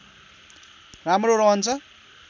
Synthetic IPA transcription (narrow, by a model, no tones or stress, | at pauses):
ramroɾʌɦʌnt͡sʰʌ